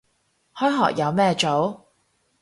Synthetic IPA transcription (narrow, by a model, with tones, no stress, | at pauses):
hɔː˨˥jɦɔ̰ː˨˩k̚jɐ˨˧wmɛː˥t͡ʃo˨˥w